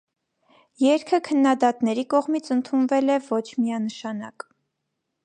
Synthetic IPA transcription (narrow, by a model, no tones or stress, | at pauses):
jɛɾkʰəkʰənːɑd̪ɑt̪nɛɾikɔʁmit͡sʰənt̪ʰunvɛlɛvɔt͡ʃʰmiɑnəʃɑnɑk